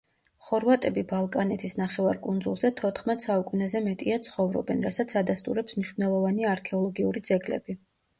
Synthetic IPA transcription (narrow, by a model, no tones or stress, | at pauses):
χɔɾvat̪ʼɛbibalˠkʼanɛt̪ʰisnaχɛvaɾkʼund̪zulˠzɛt̪ʰɔt̪ʰχmɛt̪ʼsaukʼunɛzɛmɛt̪ʼiat̪sʰχɔvɾɔ̰bɛnɾasat̪sʰad̪ast̪ʼuɾɛpsmniʃvnɛlˠɔvaniaːɾkʰɛɔlˠɡiuɾid̪z̥ɛɡlɛ̰bi